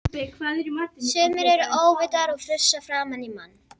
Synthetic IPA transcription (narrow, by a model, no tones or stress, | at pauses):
pɛkʰvaːðɛɾimat̪ːsœːmɪɾɛɾʔoːwvɪt̪aɾɔɣfɾʏsːafɾaːmanimanː